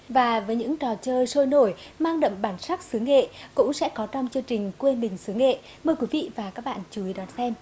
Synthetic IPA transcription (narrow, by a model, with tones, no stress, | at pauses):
vaː˨˩vəː˨˦jɲɨ̰˧˥ŋt͡ɕɔ˨˩t͡ɕəː˧jso˧jno˧˩jmaː˧ŋɗə̰˧˨mɓaː˧˩nsa˦˥k̚sɨ˨˦əŋːḛ˧˨kʊ̰˧˥ŋ͡msɛ̰˧˥kɔ˨˦t͡ɕɔ˧wŋ͡mt͡ɕɨ˧əŋt͡ɕï˨˩ŋ̟kwe˧nɓï˨˩ŋ̟sɨ˨˦əŋḛ˧˨ | məː˧jkwi˨˦vḭ˧˨vaː˨˩kaː˦˥k̚ɓa̰ː˧˨nt͡ɕu˨˦i˨˦ɗɔ˨˩nsɛ˧m